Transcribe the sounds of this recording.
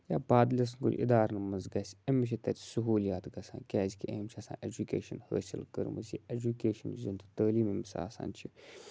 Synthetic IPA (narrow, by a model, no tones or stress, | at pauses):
jaːbaːd̪lʲɐs̬nkṵlʲʔḭd̪aːɾnɐmɐnzɡɐsʲɐmit͡ʃʰit̪ɐt̪ʲʰsuɦuːlijaːt̪ɡɐsã̰ːnkʲɛːzʲikʰʲiʔemʲt͡ʃʰiɐsã̰ːʔed͡ʒukʲḛːʃɐnhə̰ːsilkəɾmɐ̰sied͡ʒukʲeːʃɐnzunt̪ʰt̪əːliːmemisa̰ːsa̰ːnt͡ʃʰi